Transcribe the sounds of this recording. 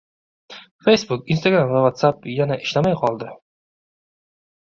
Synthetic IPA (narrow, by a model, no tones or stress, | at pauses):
fejsbukinst̪aɡɾamvavat̪sapjanaʔɪʃlamajqʰɒlˠd̪ɪ